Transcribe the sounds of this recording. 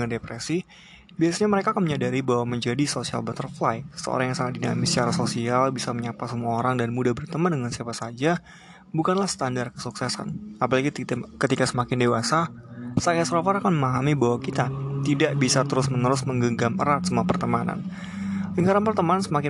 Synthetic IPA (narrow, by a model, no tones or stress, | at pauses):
əŋandepɾesi | biasaɲaməɾekaːkanməɲadaɾibaɦwaməɲd͡ʒadisosia̰lbat̪ərflajsə̥sə̰o̰ɾaŋjaŋsaŋat̪dina̰mɪsə̥t͡ʃaɾahsosialbisaməɲapasəmuaoɾaŋdanmudabərt̪əmandəŋansiapasad͡ʒa | bukanlahst̪andarkəsuksɛsa̰napalaɡikət̪ikasəmakɪndewasasakasɾofaɾakanməmaɦamibawakit̪at̪idaʔbisat̪əɾʊsmənəɾʊsməŋɡəɡaməɾat̪̚səmuapərt̪əmana̰n | jəŋkaɾanpərt̪əmanansəmakɪ